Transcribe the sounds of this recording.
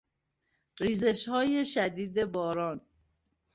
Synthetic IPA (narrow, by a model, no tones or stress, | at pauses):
ɾiːzeʃhɒːjeʃæd̪iːd̪e̞bɒːɾɒːn